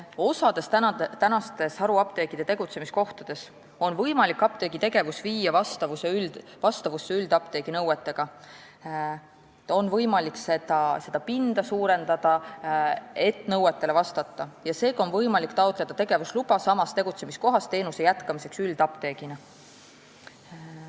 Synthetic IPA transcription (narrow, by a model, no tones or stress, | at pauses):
o̞sɑd̪̥e̞st̪æt̪ænɑst̪e̞sɑɾuɑp̚t̪e̞ːɡid̪e̞t̪e̞ɡ̥ut̪se̞misko̞ht̪ɑd̪̥e̞s | o̞nvɤjmɑlikːˑɑp̚t̪e̞ɡ̥it̪e̞ɡe̞vusviːjːɑvɑst̪ɑvuseylvɑst̪ɑvusːeyld̪̥ɑp̚t̪e̞ːɡ̥inɤwet̪ːˑe̞ɡ̥ɑ | o̞nvɤ̞jmɑliksed̪ɑse̞d̪̥ɑpind̪̥ɑsuːɾe̞nd̪̥ɑd̪̥ɑ | e̞t̪ˑːnɤwet̪ːˑe̞le̞vɑst̪ɑt̪ːˑɑjɑse̞ːɡɑonvɤjmɑlikːt̪ɑot̪ˑle̞d̪̥ɑt̪e̞ɡ̥e̞vuslub̥ɑsɑmɑst̪e̞ɡ̥ut̪se̞misko̞ɦɑst̪e̞ːnuse̞jæt̪kɑmise̞ksyld̪̥ɑpt̪e̞ːɡinɑ